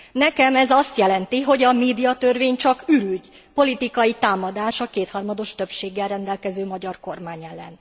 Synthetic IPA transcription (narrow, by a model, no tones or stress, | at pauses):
nɛkɛmɛzɒst̪jɛlɛnt̪iɦo̞ɟɒmeːd̪ijɒt̪ørveːɲt͡ʃɒkyɾyɟ | po̞lit̪ikɒjit̪aːmɒd̪aːʃɒkeːt̪hɒrmɒd̪o̞ʃt̪ø̞pʃeːɡːɛlrɛnd̪ɛlkɛzøːmɒɟɒrko̞rmaːɲɛlːɛ̰n